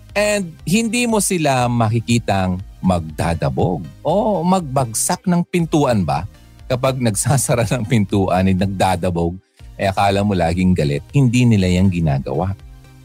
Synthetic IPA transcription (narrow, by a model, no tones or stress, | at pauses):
ʔɛnd̪̚hɪnd̪iːmo̞sɪlamɐkɪkiːt̪ɐŋmɐɡ̚d̪a̰ːd̪ɐboɡ̚ʔomɐɡ̚bɐɡsak̚nɐŋpɪnt̪uːʔɐnbɐ̰ | kɐpaɡ̚nɐɡsaːsɐɾanɐŋpɪnt̪uːʔɐnɪnɐɡ̚d̪aːd̪ɐboɡ̚ | ʔɐʔɐkaːlɐmolaːɡɪŋɡɐlɛ̰t̪̚hɪnd̪iːnɪlajaŋɡɪnaːɡɐ̰waʔ